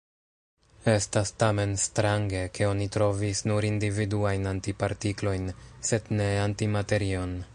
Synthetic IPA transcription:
e̞stastame̞nstɾaŋɡe̞kʰe̞o̞nitɾo̞visnuɾindividuajnantipaɾtiklo̞jnse̞dne̞antimate̞ɾio̞n

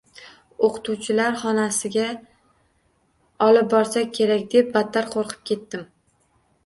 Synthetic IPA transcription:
oqʰɨ̥t̪ʰuwt͡ʃʰɪlaɾχɒnasɪɡʲa | ɒlɪp̚bɒɾsak̚ʲkʲʰe̞ɾakʲd̪e̞p̚bat̪ʰːaɾqʰoɾqʰɨ̥p̚kʲʰe̞t̪ːɪm

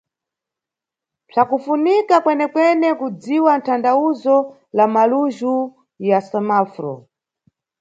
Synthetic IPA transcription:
pʰakufunikakwɛnɛkwɛnɛkud͡ziwan̩tʰandauzɔ | lamaluʒu | jasamafɾɔ̰

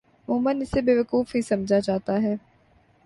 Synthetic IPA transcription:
mʊ̃ːmənɪsebeːʋəkuːfɦĩsɐmd͡ʒʱat͡ʃaːt̪aɦɛː

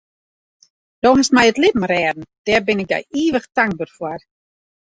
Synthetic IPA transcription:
d̥oɦastmɛjətlɪtmarɛːdn̩d̥ɛːrbɪnɪk̚dɛ̰jiːʋəxtaŋk̚bərfwɔr

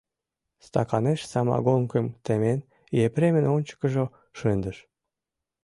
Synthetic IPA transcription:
st̪ɑkɑneʃsɑmɑ̰ɣoŋkəmt̪emen | jepɾemənonʲt͡ɕə̥kə̆ʒo | ʃønd̪əʃ

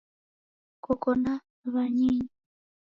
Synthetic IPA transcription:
kɔkɔnda | βaɲiɲi

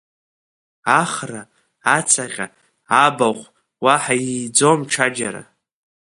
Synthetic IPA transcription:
aχra | at͡sʰaχʲʼa | abaχʷ | waħajijd͡zomʈ͡ʂʰad͡ʒaɾa̰

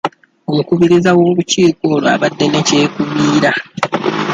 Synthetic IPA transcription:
o̞mukuβiɾizawo̞ːβuciːko̞ːlwa̰βadːe̞ne̞ce̞ːkuβiːɾa

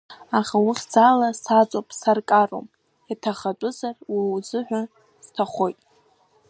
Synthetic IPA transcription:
aχawiχʲd͡zalasat͡sʷʼopʼsarkʼaro̰m | atʰaχat͡pʷʼʊzarwiwd͡zɨħʷᶣa | z̥tʰaχʷo̞jtʼ

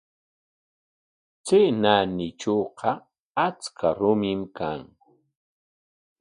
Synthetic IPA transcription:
t͡senanɪt͡ʃoːqɑ | at͡skʰaɾʊmɪmkaŋ

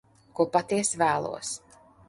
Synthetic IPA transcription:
kuɔpat̪iɛsvæːlˠṵɔs

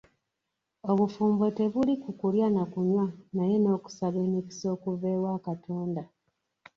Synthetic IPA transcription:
oβufuːmbote̞βulikukuljanakuɲwanaje̞no̞ːku̥saβe̞ːniki̥so̞ːkuve̞ːwakatʰoːnda

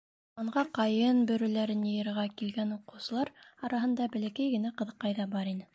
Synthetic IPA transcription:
ɑɴʁɑqɑjɤnbɵ̆ɾɵ̆læɾɘnjɤ̆jɤ̆ɾʁɑkilɡænuqɤ̆wsɤ̆lˠɑɾɑɾɑɦɤ̆nd̪ɑbɘ̆lækæjɡɘ̆næqɤ̆ðɤ̆qːɑjðɑbɑɾinɘ

